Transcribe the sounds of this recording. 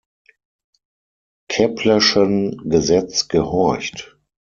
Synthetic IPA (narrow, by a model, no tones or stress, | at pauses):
kʰɛpʰləʃənɡəzɛt͡sɡ̥əhɔɐçt